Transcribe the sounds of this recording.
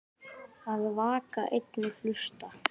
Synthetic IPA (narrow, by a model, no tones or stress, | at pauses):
aðvaːka̰ʔejt̪nɪlʏst̪a